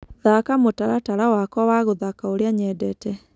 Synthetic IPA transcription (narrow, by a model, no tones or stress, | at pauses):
ðakamotaɾataɾawakɔwaɣoðakaoɾjaɲɛdɛtɛ